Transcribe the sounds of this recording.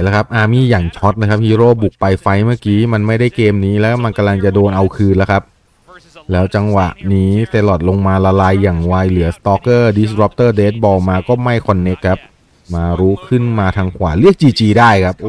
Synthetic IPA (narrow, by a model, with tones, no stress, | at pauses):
jla˦˥kʰa˦˥p̚ʔaː˧˩miː˧jaː˨˩ŋt͡ɕʰɔ˦˥t̪̚naː˧kʰp̚hiː˦˥ɾoː˥˩bu˨˩k̚pa˧jfa˧jmɯ˥˩kiː˦˥ma˧nma˥˩jda˥˩jkeː˧mniː˦˥lɛː˦˥˩ma˧nka˧mla˧ŋt͡ɕa˨˩doː˧nʔa˧wkʰɯː˧nla˦˥kʰa˦˥p̚ | lɛː˦˥wt͡ɕa˧ŋwa˨˩ʔniː˦˥t̪e˧lɔ˨˩t̪̚lo˧ŋmaː˧la˧laː˧jːaː˨˩ŋwa˧jlɯ˩˦ɐst̪ɔː˦˥kːɤː˥˩di˦˥sɾɔ˦˥p̚t̪ɤː˥˩deː˦˥t̪̚bɔː˧maː˧kɔː˥˩ma˥˩jkʰɔ˧nːe˦˥kʰːa˦˥p̚ | maː˧ɾuː˦˥kʰɯ˥˩nmaː˧t̪ʰaː˧ŋkʰwaː˨˩˦lɯ˥˩ək̚t͡ɕiː˧t͡ɕiː˧daː˥˩jkʰa˦˥p̚